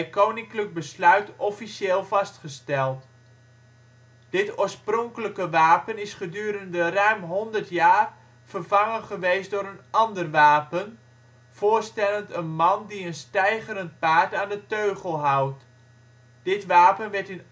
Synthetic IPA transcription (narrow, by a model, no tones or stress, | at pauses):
ɛjkownɪŋklək̚bəslœɥtɔfiseːlˠvɑstχəstɛlˠt | d̥ɪtoːɹsprɔŋkələkəʋaːpənɪsχədyːɾəndərœɥmɦɔndərtjaːr | v̥ərv̥ɑŋənχəʋejstdʊːɾənɑndərʋaːpən | v̥oːɹstɛləntənmɑndiənstɛjχəɾənt̚paːɹtaːndətøɥɣəlˠɦɑwt | d̥ɪtʋaːpənʋɛrtɪn